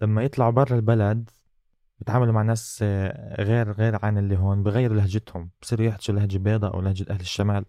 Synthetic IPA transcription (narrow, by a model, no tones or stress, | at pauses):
lamːajɪt̪ˤlɑʕbɑrˤːɑlbalad̪ | bjɪt̪ʕaːmalumaʕnaːs | ɣeːɾɣeːɾʕanɪlːiɦoːnbɪjɣajːɪɾulahd͡ʒɪt̪hʊmb̥sˤiːɾujɪħt̪asulahd͡ʒbeːd̪ˤɑʔa̰wlahd͡ʒat̪ʔahlɪʃːamaːl